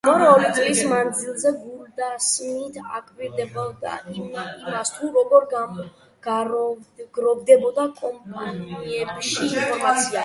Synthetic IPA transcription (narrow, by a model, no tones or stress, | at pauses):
ɔɾɛɔɾit̪sʼlismand̪zilˠzɛɡuɾd̪asmit̪ʰa̰kʼviɾd̪ɛbɔd̪a̰imast̪ʰuɾɔɡɔɾɡa | ɡɾɡɾɔvd̪ɛbɔd̪akʼɔmpʼaniɛbʃiːnpʰɔɾmat̪sʰia